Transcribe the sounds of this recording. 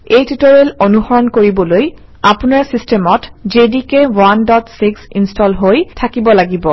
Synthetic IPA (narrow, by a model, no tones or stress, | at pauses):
ejtitoɹelonuxɔɹɔnkoɹibɔloj | apunaɹsistemɔtd͡ʒedikewandɔtsiksinstɔlɦojtʰakibɔlaɡibɔ